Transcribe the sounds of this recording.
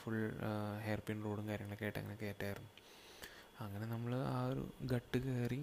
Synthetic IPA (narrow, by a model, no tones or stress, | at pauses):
fuɭɦerpinroːɽuŋkaːɾjɐŋːɐɭekːeːʈːɐ̰ŋːɐnekːe̞ːtːaːjirunːu | ɐŋːɐne̞nɐmːɐɭaːoɾṵɡɐʈːɨkeːri